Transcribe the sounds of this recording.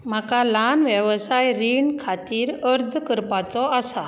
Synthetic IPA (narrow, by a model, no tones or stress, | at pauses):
m̤akalanʋjəʋsajɾiɳkʰat̪iːɾəɾd͡zkəɾpat͡sɔasa